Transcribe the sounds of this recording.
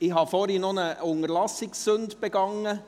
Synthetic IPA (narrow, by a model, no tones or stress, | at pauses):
ɪɦɑːfoːɾiːnonəʊŋəɾlɑsɪksːɵndb̥ɛɡɑŋːə